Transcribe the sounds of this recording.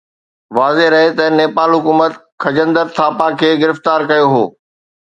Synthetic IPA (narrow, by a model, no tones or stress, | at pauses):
ʋaːzeɾɐɦet̪ɐneːpaːlɦʊkuːmət̪ | kʰɐd͡ʑə̃nd̪əɾt̪ʰaːpakʰeːɡɪɾɪft̪aːɾkɐjoɦoː